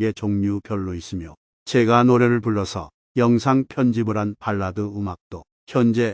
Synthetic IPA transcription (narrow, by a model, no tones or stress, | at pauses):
ɡe̞t͡ɕoŋɲupjʌɭːois͈imjo | t͡ɕeɡanoɾeɾɯɭpuɭːʌsʰʌ̰ | jʌŋsʰaŋpʰjʌnd͡ʑibɯɾanpaɭːadɯumak̚t͈o | çjʌnd͡ʑe̞